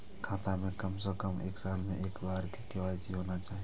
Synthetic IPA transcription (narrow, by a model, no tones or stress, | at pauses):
kʰãːt̪amẽkəmsəkəmeːksaːlmẽʔeːkbaːɾkikeʋaːsiɦoːnat͡ʃaːɦi